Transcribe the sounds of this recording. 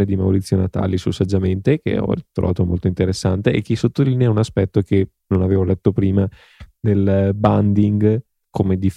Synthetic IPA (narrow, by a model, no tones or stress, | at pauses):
ed̪imawɾit̪sːjonat̪a̰ːlisulsad͡ʒːament̪ek̟ḛɔ̰it̪ɾo̰vaːt̪omo̰lt̪oint̪eɾesːa̰nt̪eʔḛkːisot̪ːolineaunaspɛt̪ːoke | nonaveːvolɛt̪ːopɾiːma | d̪elband̪iŋɡ | kʰomed̪if